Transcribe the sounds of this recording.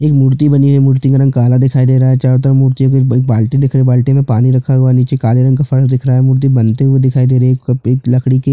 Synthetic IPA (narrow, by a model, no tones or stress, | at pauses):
eːkmʊːɾt̪ibɐniɦɛmʊɾt̪ikaɾɐ̃ŋɡ̚kaːlad̪ɪkʰaːid̪eːɾaːɦɛt͡ʃaːɾot̪əɾamuːɾt̪ijõkoeeːk̚baːlʈid̪ɪkʰɾebaːlʈimẽpaːniɾɐkʰaɦʊaniːt͡ʃekaːliɾɐ̃ŋɡkafɐɾsd̪ɪkʰɾaːɦɛːmʊɾt̪̬ibɐnt̪eɦued̪ɪkʰaːid̪eːɾeekeːklɐkʰɽike